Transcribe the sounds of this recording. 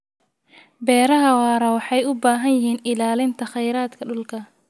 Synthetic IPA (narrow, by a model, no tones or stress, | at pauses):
bɛːɾɐɦɐwɑːɾɐwɑħɑjʊbaːɦɐnjɪɦiːnɪlaːlɪnt̪ʰɐχɛjɾaːd̪kʰɐɖʊlkʰɐ